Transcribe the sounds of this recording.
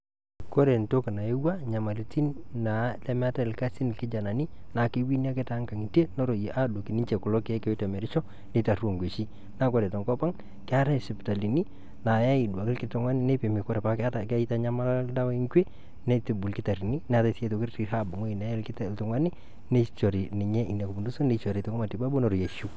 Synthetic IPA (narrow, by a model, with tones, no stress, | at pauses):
ko˦ɾe˨nto˦kna˨e˦wa˦ɲa˨ma˨lɪ˨ti˦nna˨˦lɛ˦mɛ˦a˦ta˦ɪ˨lka˦si˦nɪ˨lkɪ˦d͡ʒa˨na˨ni˦ | na˨kɪ˦wi˦ni˦a˦kɛ˦ta˦ŋka˨ŋi˨te˦nɔ˦ɾo˨ʔa˦do˨kɪ˨ni˦nt͡ʃe˨kʊ˨lɔ˦kɛ˦ke˦tɛ˨mɛ˨ɾɪ˦t͡ʃɔ˦ | ne˦ta˨ru˦o˨ŋɡwe˨ʃi˦ | na˦kɔ˨ɾɛ˨tɔ˨ŋkɔ˦pa˦ŋ | kɛ˦a˦ɾa˦ɪ˨sɪ˨pta˨li˨ni˦ | na˨ja˦ɪ˨dwa˨kɪ˦lkɪ˦tʊ˨ŋwa˦nɪ˦ne˦pe˨mi˨kɔ˦ɾɛ˨pa˨˦ka˦ta˨ka˦i˦ta˦ɲa˦ma˦la˦da˦wa˦i˦ŋkwe˦ | ne˦tɪ˨bʊ˨lkɪ˦ta˨ɾi˨ni˦nɛ˨˦a˨ta˦se˦to˨kɪ˦ri˨ha˦˨bʊ˨ŋo˦i˨na˨˦lkɪ˦tltʊ˨ŋwa˦nɪ˦ | ne˦t͡ʃo˨ɾi˨nɪ˨ɲɛ˦ʔi˨na˨ko˨pu˨ndu˦so˦ne˦t͡ʃɔ˨ɾe˨to˨˦ŋo˦ma˨tɪ˨ba˦bu˦no˦ɾo˨je˨ʃu˦